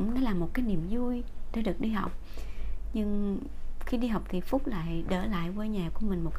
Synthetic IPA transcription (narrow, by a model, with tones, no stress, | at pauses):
ŋ͡mnɔ˨˦laː˨˩mo˨˩t̚kaː˨˦jni˨˩əmzu˧jɗe˧˦ɗɨ˨˩ək̚ɗi˧ɦa˨˩wk͡p̚ | ɲɨ˧ŋ | xi˧ɗi˧ɦa˨˩wk͡p̚t̪ʰi˨˩fʊ˦˥k͡p̚la̰ː˧˨jɗəː˧˩la̰ː˧˨jvəː˧˦ɲaː˨˩ku˧˩əmï˨˩ŋ̟mo˨˩